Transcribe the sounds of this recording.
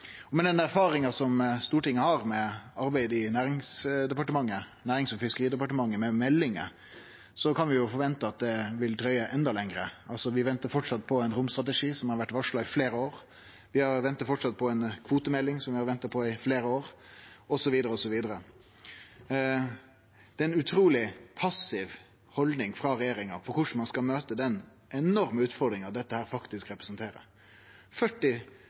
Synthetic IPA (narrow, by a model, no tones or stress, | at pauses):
ɔmɛd̪ɛnæɾfɑːɾɪŋɑsɔmst̪uːʈɪŋːəhɑɾmɛɑɾbæɪd̪ɪnæːɾɪŋsd̪ɛpɑʈəmɑŋːə | næːɾɪŋsɔfɪskəɾiːd̪əpɑʈəmɑŋːəmɛmɛlːɪŋə̰ | sɔkʰɑnʋɪjʊfɔɾʋɛnt̪əɑt̪̚d̪ɛʋɪld̪ɾœʏəʔɛnd̪ɑlɛŋɾəɑlsɔʋɪʋɛnt̪əfɔʈʂɑt̪ːpʰɔɛɪnɾʊmst̪ɾʁɑt̪əʂiːsɔmhɑɾʋæʈːʋɑʂɭɑɪfleːɾəoːɾ | ʋɪhɑɾʋɛnt̪ɑt̪fɔʈʂɑt̪̚pʰɔɛɪnkʰʋuːt̪əmɛlːɪŋsɔmʋɪhɑɾʋɛnt̪ɑt̪̚pʰɔɪfleːɾəoːɾɔsɔʋiːd̪əɾəɔsɔʋiːd̪əɾə | d̪̥ɛːɛnʉt̪ʰɾuːlɪpʰɑsɪʋ | hɔld̪nɪŋfɾɑɾɛjeːɾɪŋɑ̰fɔɾkʊʂn̩mɑnskɑlmøːt̪əd̪ɛn | ʔɛnɔɾməʉːt̪fɔɾd̪ɾɪŋɑʋd̪ɛt̪ːəhæːɾfɑkt̪ɪskɾɛpɾɛsnt̪ʰeːɾə̰ | fœʈːɪ